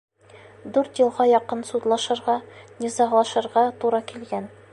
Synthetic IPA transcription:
d̪ʉɾt̪jɤ̆lˠʁɑjɒqɤnsud̪lˠɑʃɤ̆ɾʁɑnʲizɑʁlˠɑʃɤ̆ɾʁɑt̪uɾɑkilɡæn

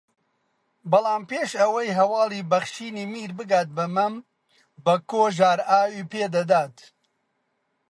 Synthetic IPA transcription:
bɐlˠaːmpeːʃɐwɐjɦɐwɑːlˠiːbɐχʃiːniːmiːɾbɨɡaːt̪̚bɐmɐm | bɐkoːʒaːɾaːwipeːd̪ɐd̪aːt̪

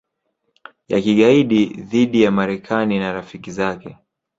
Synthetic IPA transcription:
ja̰kiɠaiɗiðiɗijamaɾɛkʰaninaɾafikizakɛ

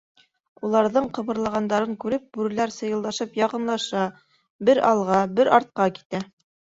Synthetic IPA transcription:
ulˠɑɾðɤɴqɤ̆βɤ̆ɾlˠɑʁɑnd̪ɑɾɤŋkʉɾɘp̚bʉɾɘ̆læɾsɤ̆jɤ̆lˠd̪ɑʃɤpjɑqɤ̆nlˠɑʃɑ | bɘɾɑlˠʁɑbɘɾɑɾt̪̚qɑki̥t̪æ

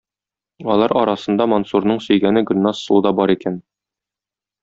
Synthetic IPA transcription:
ɒlˠɑɾɒɾɑsɤ̆nd̪ɑmonsuɾnɤɴsɵ̆jɡænɘɡɵ̆nʲːɑsːulˠd̪ɑbɒɾikæn

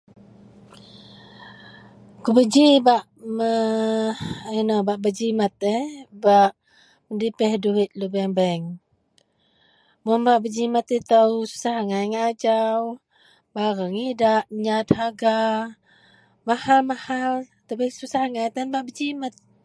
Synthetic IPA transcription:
kubəd͡ʒibaʔmə | inobaʔbəd͡ʒimat̪əbaʔ | məndipɛhduɦit̪̚lubɛŋbaŋ | munbaʔbəd͡ʒimat̪it̪əwsu̥saɦŋajŋaːd͡ʒaw | baɾəŋidaʔɲat̪haɡa | mahalmahal | t̪əbisusaŋajt̪anbaʔbəd͡ʒimat̪̚

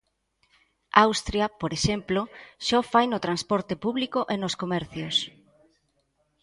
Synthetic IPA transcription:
awst̪ɾjɐpoɾeʃemploʃɔfajnʊt̪ɾanspɔɾt̪epuβlikoʔenoskomɛɾθjos

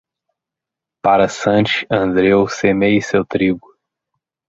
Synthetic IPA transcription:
paɾɐsɐ̃t͡ʃi̥ɐ̃nd̪ɾewsemejsewt̪ɾiɡʊ

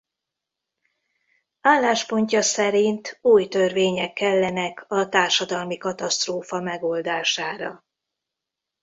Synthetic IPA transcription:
aːlːaːʃpo̞ɲcɒsɛɾint̪uːjt̪ørveːɲɛkːɛlːɛnɛkɒt̪aːrʃɒd̪ɒlmikɒt̪ɒst̪roːfɒmɛɡo̞ld̪aːʃaːɾɒ̰

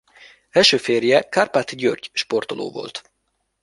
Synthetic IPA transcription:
ɛʃøːfeːrjɛkarpat̪ɟørɟʃpo̞rt̪olʔo̰ːvo̞̰lt̪

